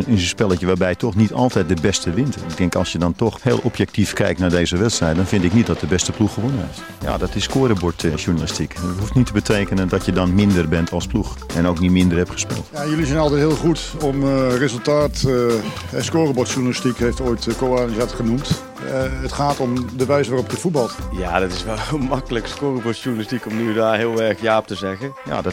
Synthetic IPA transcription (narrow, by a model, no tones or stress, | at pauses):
ɪnənspɛlˠəjəʋaːrbɛjtʰɔxnitɔ̰lˠtɛjt̚dəbɛstəʋɪntɪɡ̚dɛŋkɑlˠsjədɔntɔxheːlˠɔpjɛk̚tifkɛ̰jktnaːɹdeːzəʋɛtstrɛjt̚dɔnfɪntɪknit̚dɔt̚dəbɛstəpluxəʋonəneft | ja̰ːdɔtɪsːkoːɾəbɔtʃuɹnalɪstikətɦuftnitəbətʰejkənəndɔtjədɔnmɪndərbɛntʰɑlˠspluxɛnowknitmɪndərhɛptχə̥spɪ̰ːlˠtjajølizɛjnɑlˠtɛjtɦɪːlˠχutɔmrezəlˠtaːt | ɛskoːrəbɔtʃurnalistikhejftoːjtkoːɔnizatχənumt | ətχaːtɔmdəʋɛjsʋaːrɔpjəfut̚bɑlˠtjadɔtɪsʋɛlˠlˠmakələkskorəbɔtʃuɹnlistikɔmnydaɦɪəlˠɛrkjaːp̚təzɛɣəja̰dɔ